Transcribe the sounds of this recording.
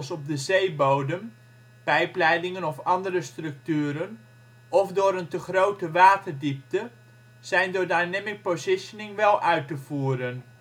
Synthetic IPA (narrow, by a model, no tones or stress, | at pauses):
sɔp̚dəzejbowdəm | pɛjplɛjdɪŋənɔfɑndəɾəstrɵk̚tyːɾən | ʔɔfdʊːɾəntəχrowtəʋaːtərdip̚tə | z̥ɛjndədajnɛmɪk̚pozɪʃjənɪŋʋɛlˠʔœɥtəv̥uːɾən